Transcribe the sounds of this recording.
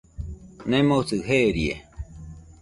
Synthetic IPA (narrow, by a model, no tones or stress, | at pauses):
nẽmõsɨɦeɾie